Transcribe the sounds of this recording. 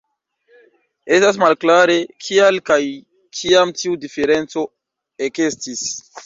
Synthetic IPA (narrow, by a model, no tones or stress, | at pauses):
e̞stas̬malklaɾe̞kʰialkaj | kʰiamtiudife̞ɾe̞nt͡so̞ | ekestis